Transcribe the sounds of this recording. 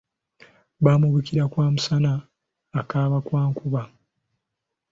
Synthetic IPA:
βaːmuβukiɾakwaːmusanaː | kaːβakwaːŋkuβa

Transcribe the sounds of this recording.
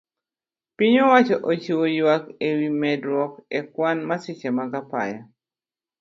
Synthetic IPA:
piɲowat͡ʃɔʔot͡ʃiwojwakewimɛdɾwɔkekwanmasɪt͡ʃemaɡapa̰ja

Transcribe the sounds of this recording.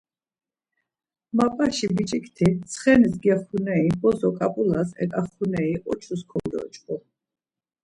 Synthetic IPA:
mapʼaʃibit͡ʃʼikʼt̪ʰit̪sʰχɛnisɡiaχunɛibɔzɔkʼapʼulasɛ̰kʼaχunɛiʔɔt͡ʃʰuskʰɔɾḭɔ̰t͡ʃʼqʼu

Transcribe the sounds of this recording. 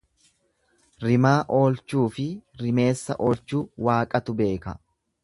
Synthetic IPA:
ɾɪmaːʔo̞ːlt͡ʃuːfɪɾɪme̞ːsːɐ̰ʔoːlt͡ʃuːwaːkʼɐt̪ʊbe̞ːkɐ

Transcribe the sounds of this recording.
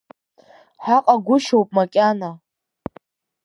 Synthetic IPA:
ħaqʼaɡʷʊʃowpʼmakʲʼana

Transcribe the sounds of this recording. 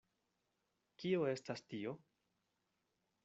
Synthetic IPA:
kio̞e̞stastio̞

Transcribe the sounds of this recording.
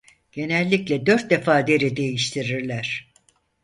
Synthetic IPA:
ɟ̥e̞nɛlʲːiclʲɛd̪øɾt̪̚d̪efaːd̪e̞ɾid̪e̞jiʃt̪ʰiɾiɾlʲæɾ̝̥

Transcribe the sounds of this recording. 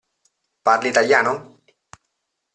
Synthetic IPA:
paɾlit̪aljano

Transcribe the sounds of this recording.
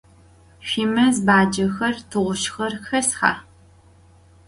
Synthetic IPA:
ʃiːmɐzbaːd͡ʒɐxɐrtʰɨʁʷʊʃxɐrxɐsxa̰ː

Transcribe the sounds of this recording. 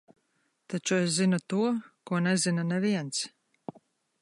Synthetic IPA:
t̪at͡ʃues̬zinut̪uɔkuɔnɛzinanɛviɛns

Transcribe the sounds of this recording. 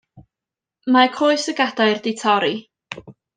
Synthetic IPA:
makʰoːɨsəɡadaɨrdɪtʰɔɾi

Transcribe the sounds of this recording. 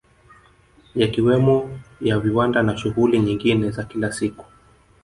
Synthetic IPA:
jakiwɛmɔjaviwandanaʃuɣuliɲiŋɡinɛzakilasiku̥

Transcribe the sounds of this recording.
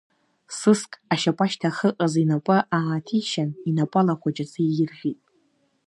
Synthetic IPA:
sɨskʼaʃapʼaʃtʰaχəqʼazinapʷʼɨʔaːtʰiʃaninapʼalaχʷad͡ʒat͡sʰʼijɪrʒʲitʼ

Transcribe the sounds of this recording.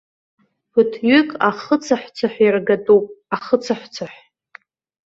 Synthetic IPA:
pʊtʰɥʏkʼaχət͡sʰaħʷt͡sʰaħʷᶣjirɡatʼupʼaχət͡sʰaħʷt͡sʰaħʷ

